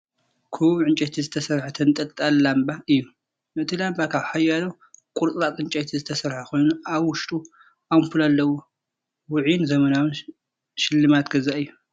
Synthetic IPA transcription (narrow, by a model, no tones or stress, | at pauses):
kʰuβʕɨnt͡ʃʼɛt̪ʰizɨt̪ʰɐsɐɾħat̪ʰɐnt̪ʼɐlt̪ʼallambaʔɨjːu | mɨʔɨt̪ʰilambakʰaβħajalɐw | kʼuɾt̪ʼɾat̪ʼɨnt͡ʃʼɐt̪ʰizɨt̪ʰɐsɐɾħakʰo̞jnuaβwʊʃt̪ʼu | ʔamfulalːɐwo | wʊʕinzɐmɐnawɨn | ʃɪlːɨmat̪ɡɐzaʔɨjːu